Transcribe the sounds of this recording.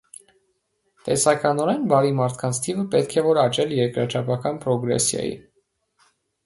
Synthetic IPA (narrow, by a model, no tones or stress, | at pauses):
t̪ɛsɑkɑnɔɾɛnbɑɾimɑɾt̪ʰkʰɑnt͡sʰt̪ʰivəpɛt̪kʰɛvɔɾɑt͡ʃɛljɛɾkɾɑt͡ʃʰɑpɑkɑnpɾɔɡɾɛ̰sjɑ̰jḭ